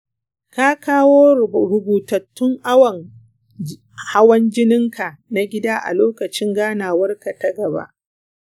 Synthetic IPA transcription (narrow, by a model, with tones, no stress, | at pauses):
ka˦kaː˦woː˦ɾʊ˨buː˨tɐ˨tːʊ˦ŋʔa˦wɐ˨ŋ | ha˦wɐ˦nd͡ʒɪ˦nɪ˦ŋka˨na˦ɡʲɪ˦daː˦ʔa̰˨loː˦kɐ˨t͡ʃɪ˦ŋɡaː˦naː˨wɐ˦rka˨tɐ˦ɡɐ˨ba̰˦ʔ